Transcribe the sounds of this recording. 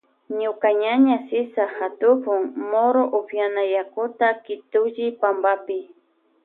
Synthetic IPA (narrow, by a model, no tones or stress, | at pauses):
ɲʊkaɲaɲasɪsaxat̪ʊpʊŋmoɾoʔʊpjanajakʊt̪akɪt̪ʊʒɪpambapɪ